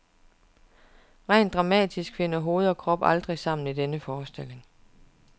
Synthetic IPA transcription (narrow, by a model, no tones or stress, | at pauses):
ʁɛ̰ɪ̰nd̥ʁɑ̈mɛ̰ːd̥ʰisɡ̥fe̝nəɒɦo̝ːð̞̩ˠɒ̽kʰʁɒ̽b̥ɑld̥ʁisɑ̈m̰n̩id̥enəfɒːsd̥e̝l̰e̝ŋ